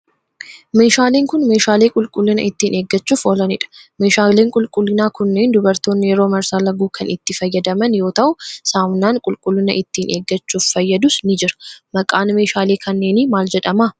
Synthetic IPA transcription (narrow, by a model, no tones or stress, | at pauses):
me̞ːʃaːleːŋkʊnme̞ːʃaːle̞ːkʼʊlkʼʊlːɪnɐʔɪt̪ːiːnʔe̞ːɡːɐt͡ʃːuːfɔlɐnɪᶑɐ̥me̞ːʃaːle̞ːŋkʼʊlkʼʊlːɪnaːkʊnːe̞ːnd̪ʊbɐɾt̪o̞ːnːɪjɛɾo̞ːmɐɾsaːlɐɡuːkʰɐnʔɪt̪ːɪfɐjːɐd̪ɐmɐnjo̞ːt̪ɐʔʊsaːmnaːŋkʼʊlkʼʊlːɪnɐ̰ʔɪt̪ːiːnʔe̞ːɡːɐt͡ʃːuːfːɐjːɐd̪ʊsnɪd͡ʒɪɾɐ̥mɐkʼaːnme̞ːʃaːle̞ːkʰɐnːe̞ːnɪmaːld͡ʒɛᶑɐmaː